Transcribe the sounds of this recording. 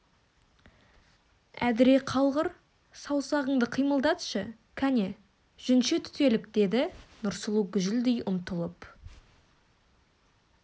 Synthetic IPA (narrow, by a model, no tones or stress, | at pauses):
æ̰d̪ɪɾe̞qʰɑlˠʁəɾ | sɑwsɑʁəɴd̪əqʰijməlˠd̪ɑt̪ʃə | kʲʰæne | ʒ̥ʏnʃet̪ʰʏ̥t̪e̞lɪpd̪̥e̞d̪ɪnʊɾsəlˠuɡʲʏʒɪld̪ejʔʊmt̪əlˠəp